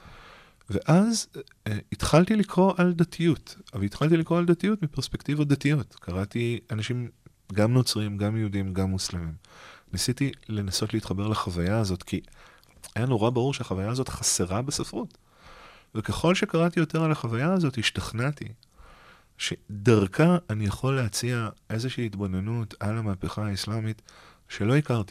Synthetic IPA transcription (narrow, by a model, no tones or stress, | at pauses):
ve̞ʔaz | it̪χaltilikʁo̞ʔald̪atʰijutavitχalt̬ilikʁo̞aldatijutmipeʁspe̞kt̪ivad̪atijo̞tkʰaʁatianaʃim | ɡamno̞t͡sʁimɡamjeudimɡamːuslamimnisitile̞naso̞tleiːt̪χabe̞ʁlaχavajaːzo̞tkʰi | ajano̞ʁabaʁuʁʃeaχavajaːzo̞t̪χase̞ʁabesafʁut | veke̞χo̞lʃekaʁatijo̞te̞ʁalaχavajaːzo̞thiʃtaχnati | ʃedaʁkʰaːnijaχo̞lːeat͡siaʔe̞zeʃiːtbo̞nenutalamapeχaːislamit | ʃe̞lo̞ikaʁti